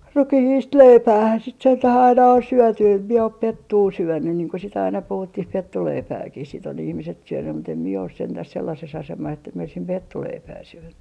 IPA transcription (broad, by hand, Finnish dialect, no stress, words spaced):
rukihiːst leipæːhæn sit sentæh ɑinɑ on syœˑty em mie op petːuː syønːyn niːŋ ko sit ɑinɑ puhutːih petːuleipæːkih sit on ihmiset syønːym̆ mut em mie os sentæs selːɑses ɑsemɑs etːæ mie oisim petːuleipæː syønːy